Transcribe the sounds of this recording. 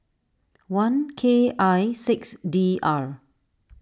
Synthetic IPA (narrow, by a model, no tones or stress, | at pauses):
wãnkʰeajsɪksdiaɹ